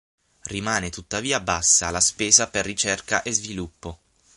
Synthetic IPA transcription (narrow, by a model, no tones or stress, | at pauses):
rimaːnet̪ut̪ːaviːabasːaːlːaspeːzaperːit͡ʃɛrka̰ʔezvilupːo